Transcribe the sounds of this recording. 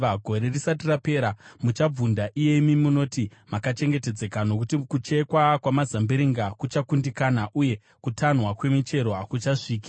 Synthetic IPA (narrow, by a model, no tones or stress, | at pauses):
aɡʱo̞ɾe̞risatirape̞ːɾamut͡ʃab͡vundaʔije̞imiimuno̞timakat͡ʃe̞ŋɡete̞d͡ze̞kano̞kutikut͡ʃe̞kwakwamazambiɾiŋɡakut͡ʃakundikanaʔuje̞ | kutʰanwakwe̞mit͡ʃe̞ɾo̞ɦakut͡ʃaʂiːki̥